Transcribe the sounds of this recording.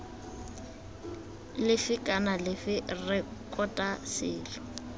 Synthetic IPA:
lɪfɪkʼanalɪfɪrɛkʼɔtʼasɪːlɔ

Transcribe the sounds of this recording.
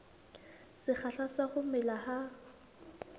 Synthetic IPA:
sɪk͡xʰaɬasaχʊmɪlaha

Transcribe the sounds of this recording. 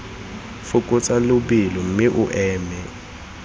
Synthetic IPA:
fʊkʼʊt͡sʼalʊbilɔm̩mɪʔʊʔɛːmɛ

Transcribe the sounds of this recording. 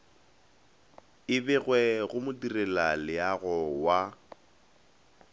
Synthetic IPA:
ɪbɛɣwɛɣʊmʊdirɛlalɪaɣɔwa

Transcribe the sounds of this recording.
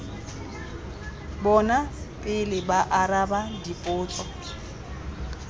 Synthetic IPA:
bɔnapʼɪlɪbaʔarabadipʼʊːt͡sʼɔ

